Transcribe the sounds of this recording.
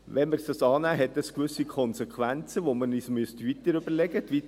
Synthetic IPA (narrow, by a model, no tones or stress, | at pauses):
ʋɛnməɾsd̥ɑsɑːnæːɦɛtəskʋʏsikʰɔnsɛkʰʋænt͡səʋomənismʉəstʋit̪əɾʏb̥əɾlɛɡətʋi